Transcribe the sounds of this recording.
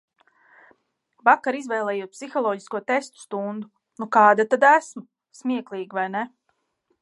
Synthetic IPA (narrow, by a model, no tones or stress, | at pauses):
vakaɾizvɛːjlˠɛːjuɔt̪̚psixɔlˠɔːɟi̥skuɔt̪est̪u̥st̪und̪u | nukaːd̪at̪ad̪æsmu | smʲiɛklˠiːɡivajne